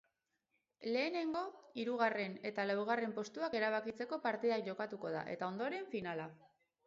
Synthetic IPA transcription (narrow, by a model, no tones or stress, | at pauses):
le̞ːne̞ŋɡo̞iɾuɣare̞ne̞t̪alawɣ̞are̞mpo̞st̪uake̞ɾaβ̞akit͡se̞ko̞paɾt̪iðakʝo̞kat̪uko̞ða̰ʔe̞̰t̪ao̞nd̪o̞ɾe̞ɱfinala